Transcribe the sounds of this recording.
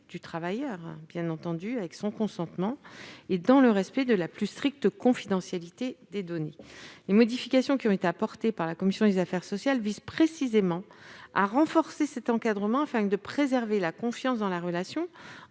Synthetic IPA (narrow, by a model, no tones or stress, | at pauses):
d̪̥yt̪χavajœʁbjɛ̃nɑ̃t̪ɑ̃d̪yavɛksɔ̃kɔ̃sɑ̃t̪mɑ̃ed̪ɑ̃ləʁɛspɛd̪əlaplyst̪χik̚t̪əkɔ̃fid̪ɑ̃sjalit̪ed̪ed̪ɔnelemɔd̪ifikasjɔ̃kʲiɔ̃et̪eapɔʁt̪epaʁlakɔmisjɔ̃d̪ezafɛʁsɔsjalvizpχesizemɑ̃a̰ʁɑ̃fɔʁsesɛt̪ɑ̃kad̪ʁəmɑ̃afɛ̃d̪əpχezɛʁvelakɔ̃fjɑ̃s̬d̪ɑ̃laʁəlasjɔ̃